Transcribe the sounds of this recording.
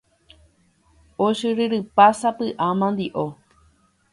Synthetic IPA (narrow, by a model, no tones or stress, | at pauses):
oʃɨɾɨɾɨpasapɨʔãmãnd̪iʔo